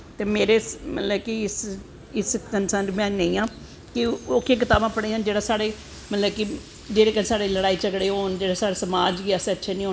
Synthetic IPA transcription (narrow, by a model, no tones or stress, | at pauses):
t̪eːmeːɾeːmə̰t̪ləbkɪɪs | ɪskənsə̃nd͡ʒmɛ̃ːnə̃ĩːãː | kɪokʰːeːk̬ɪt̪aːbãːpəɽeːãːd͡ʒeːɽaːsaːɽeː | mət̪ləbkɪ | d͡ʒeːɾeːkənsaːɽeːləɽaːiːt͡ʃəɡɽeːɦoːnd͡ʒeːɽaːsaːɽeːsəmaːd͡ʒɡiɛseətːʃʰeːnĩːɦoː